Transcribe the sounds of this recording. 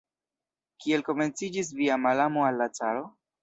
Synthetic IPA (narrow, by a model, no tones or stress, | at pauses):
kie̞lko̞me̞nt͡sid͡ʒis̬viamalamoalːat͡saɾo̞